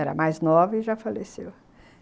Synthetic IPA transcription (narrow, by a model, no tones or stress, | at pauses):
ɛɾɐ̰majznɔvɐiʒafalesew